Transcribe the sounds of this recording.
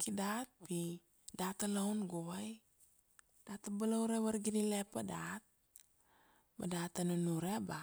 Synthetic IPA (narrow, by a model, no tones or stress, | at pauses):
kidat̪̚pi | dat̪alaunɡowaj | d̥at̪abalawɾewaɾɡinilepadat̪̚ | ba̰dat̪anunuɾeba